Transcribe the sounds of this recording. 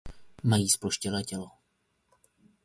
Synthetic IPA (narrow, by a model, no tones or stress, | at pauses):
majiːsploʃcɛlɛːcɛlo